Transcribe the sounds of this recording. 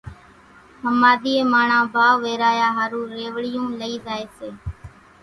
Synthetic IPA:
həmaːd̪iːeːmaːɳãːbʱaːʋeːɾaːjaːɦaːɾũːɾeːʋɽɪjõːləiːzaːeːseː

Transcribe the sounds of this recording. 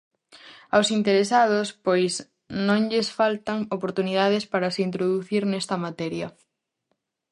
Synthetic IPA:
awsint̪eɾesað̞ospojs | nõŋʎɪsfalt̪ɐŋopoɾt̪unið̞aðɪspaɾasint̪ɾoðuθiɾnɛst̪ɐmat̪ɛɾjɐ

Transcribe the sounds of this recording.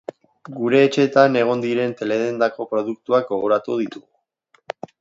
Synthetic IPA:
ɡuɾe̞ːt͡ʃe̞t̪ane̞ɣ̞o̞nd̪iɾe̞nt̪e̞le̞ðend̪ako̞pɾo̞ð̞uk̚t̪uak̚ɡo̞ɣ̞o̞ɾat̪uð̞it̪uɣu

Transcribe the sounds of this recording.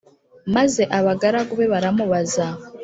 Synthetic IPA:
maze̞ʔaβaɡaɾaɡuβeβaɾamuβaza

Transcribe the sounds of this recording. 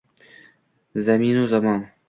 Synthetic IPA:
zamiːnozamɑːn

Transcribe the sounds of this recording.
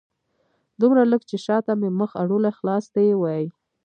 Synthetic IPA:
d̪umɾaləɡt͡ʃeʃɑt̪ameməxaɽolaxlɑsd̪ajwɑjj

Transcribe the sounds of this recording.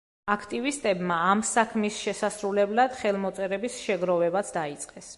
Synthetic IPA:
akʰt̪ʼivist̪ʼɛbmaːmsakʰmisʃɛsasɾulɛblˠad̪̥χɛlˠmɔt̪sʼɛɾɛbisʃɛɡɾɔvɛbat̪sʰd̪ait̪sʼqʼɛs

